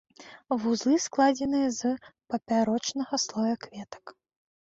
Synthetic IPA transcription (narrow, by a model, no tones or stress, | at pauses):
vuzlˠɨsklˠad͡zʲɛnɨjɐzpɐpʲaɾɔt͡ʂnɐɣɐslˠɔjɐkvʲɛt̪ɐ̥k